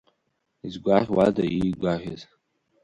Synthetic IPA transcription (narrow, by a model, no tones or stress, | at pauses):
izɡʷarʲwadaiɡʷarʲɪz